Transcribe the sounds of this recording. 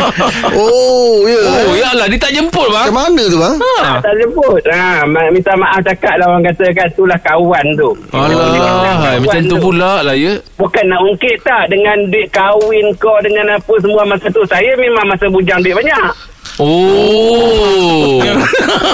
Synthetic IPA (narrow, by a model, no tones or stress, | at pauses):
ojəojaʔladit̪aʔd͡ʒəmpʊt̪̚bamanət̪ubaat̪aʔd͡ʒəmpʊt̪̚ammisalmaʔaft͡ʃakaʔ̚dawaŋkat̪ək̬ant̪ulahkawant̪ualaiajmaat͡ʃamt̪ubulaʔlajəbukanːaʔuŋkɪʔt̪aʔdəŋanduɪʔ̪̚kawɪnkodəŋanapəs̬əmuamasət̪usajəmemaŋmasəbud͡ʒaŋduɪʔ̚baɲaʔ | o